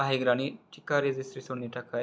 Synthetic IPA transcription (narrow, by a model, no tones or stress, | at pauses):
aɦiɡɾaɽ̃iʈikaɾed͡zisɾisoniʈaka